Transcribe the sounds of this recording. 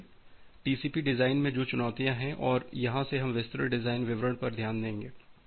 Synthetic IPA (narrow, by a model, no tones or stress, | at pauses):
ʈiːsiːpiɖɪzaːɪnmẽd͡ʒoːt͡ʃʊnɔːt̪ijãɦɛ̃ʔɔːɾjɐɦãseɦɐ̃mʋɪst̪ɾəɖɪzaːɪnʋɪʋɾəɽ̃pɐɾd̪ʱjaːnd̪ẽːŋɡeː